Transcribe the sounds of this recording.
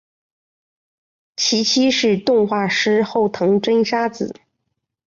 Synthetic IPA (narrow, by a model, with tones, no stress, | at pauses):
t͡ɕʰi˧˥t͡ɕʰi˥ʂɻ̩˥˧t̪ʊ˥˧ŋxwa˥˩ʂɻ̩˥xo˥˩ʊt̪ʰɤ˧˥ŋʈ͡ʂə˥nʂa˥t͡sɹ̩˨˩˦